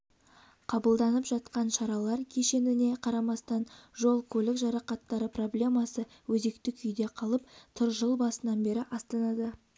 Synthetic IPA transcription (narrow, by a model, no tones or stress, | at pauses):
qʰɑbəlˠd̪ɑnəpʒɑt̪qɑnʃɑɾɑlˠɑɾkʲʰe̞ʃe̞nɪne̞qʰɑɾɑmɑst̪ɑnʒo̞lˠkʲʰɵlɪkʒɑɾɑqɑt̪ːɑɾəpro̞blʲe̞mɑsə | wɵze̞k̚t̪ɪkʲʰʏjd̪e̞qʰɑlˠəp̚t̪ʰʊɾʒəlˠbɑsənɑnbe̞ɾɪʔɑst̪ɑnɑd̪ə